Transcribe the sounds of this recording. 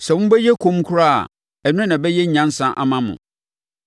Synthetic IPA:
sɛ˨wʊ̃˦bɛ˦jɛ˦kʰõ˦m˦kʰʊ˦ɾa˦a̰˨ | ɛ˨nʊ̃˦nã˨bɛ˦jɛ˦ɲã˦n˦sã˦ʔa̰˨mã˦mʊ̰̃˨

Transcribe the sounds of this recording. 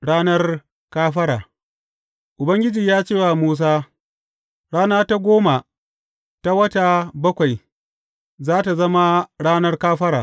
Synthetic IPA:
ɽaː˦nɐ˦r | kaː˦ɸɐ˦ɽaː˨ | ʔʊ˨bɐ˦ŋɡʲɪ˦d͡ʒiː˨jaː˦t͡ʃeː˦˨wa˨muː˦s̬aː˦ | ɽaː˦naː˦ta˦ɡʷoː˦ma˨ | ta˦wɐ˦ta˨bɐ˦kʷa˨j | zaː˦ta˨zɐ˦ma˦ɽaː˦nɐ˦rkaː˦ɸɐ˦ɽa̰ː˨

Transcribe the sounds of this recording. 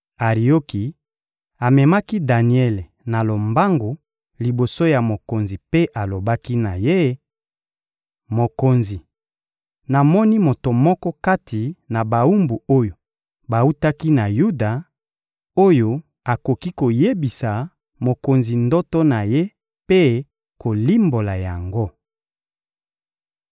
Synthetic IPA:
a˨ʁi˨jo˦ki˨ | a˨mɛ˨ma˦ki˦da˨ni˨ɛ˦le˨ | na˨lo˨mba˦ŋɡo˨ | li˨bo˨so˦ja˨mo˨ko˨nzi˨pe˦ʔa˨lo˨ba˦ki˦na˨je˦ | mo˨ko˨nzi˨ | na˨mɔ˦ni˦mo˨to˨mɔ˦kɔ˦ka˦tʰi˨na˨ba˨u˦mbu˨o˦jo˨ | ba˨u˦ta˦ki˦na˨ju˦da˨ | o˦jo˨ | a˨ko˨ki˦ko˨je˦bi˨sa˨ | mo˨ko˨nzi˨ndɔ˦tɔ˦na˨je˦ | pe˦ | ko˨li˦mbo˨la˨ja˨ŋɡo˦

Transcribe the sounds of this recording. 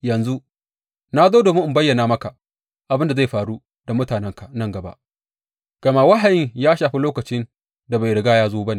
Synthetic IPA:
jɐ˨nzu˦ | na˦zoː˦do˨mu˦ʔm˨bɐ˦jːɐ˨naː˨mɐ˦ka˨ | ʔa˨bɪ˦nda˨za˦˨jɸaː˨ɾu˦ | da˨mʊ˦taː˨nɛ˦ŋka˨nɐ˦˨ŋɡɐ˨ba̰˦ʔ | ɡ̥ɐ˨ma˦wa˦ɦa˨jɪ˦ŋjaː˦ʃaː˨ɸi˦loː˦kɐ˨t͡ʃɪ˦n | da˨ba˨jɽɪ˨ɡaː˦jaː˦zoː˦ba˦neː˨

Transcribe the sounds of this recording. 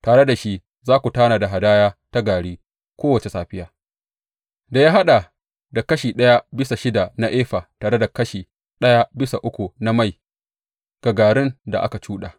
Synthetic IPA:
taː˨ɽe˦da˨ʃi˦ | zaː˦kʷu˨taː˦naː˨da˨ɦa˨daː˦jaː˦ta˦ɡaː˨ɽiː˦ | kʷoː˦wɐ˨t͡ʃe˨saː˨ɸɪ˦jaː˨ | da˨jaː˦ɦa˦ɗa˨ | da˨kɐ˦ʃiː˨ɗɐ˦ja˦bɪ˦sa˨ʃɪ˦da˨na˦ʔeː˦ɸaː˨taː˨ɽe˦da˨kɐ˦ʃiː˨ | ɗɐ˦ja˦bɪ˦sa˨ʔʊ˦kʷu˨na˦ma˦˨j | ɡ̥ɐ˨ɡaː˨ɽɪ˦nda̰˨ʔa̰˦ka˨t͡ʃuː˦ɗa̰ː˨

